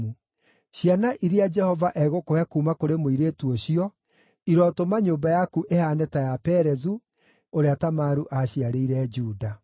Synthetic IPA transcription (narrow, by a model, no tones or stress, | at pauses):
u | ɕjanaʔiɾead͡ʒɛhɔvaʔɛɣokoɛkuːmakoɾemoiɾetuoɕiɔ | iɾɔtomaɲoːmbajakuʔehaːnɛtajapɛɾɛzu | oɾeatamaɾuʔaɕiaɾeiɾɛd͡ʒuːda